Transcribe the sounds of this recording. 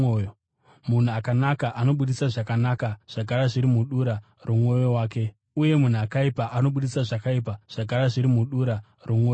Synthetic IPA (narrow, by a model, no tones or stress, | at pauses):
mun̤uakanakaʔano̞ɓuɗisaʐakanakaʐ̥akaɾaʐiɾimuɗuɾa | rumo̞jo̞waːke̞ | uje̞mun̤uakaipaʔano̞ɓuɗisaʐakaipaʐ̥ak̬aɾaʐiɾimuɗuɾa | rumoːj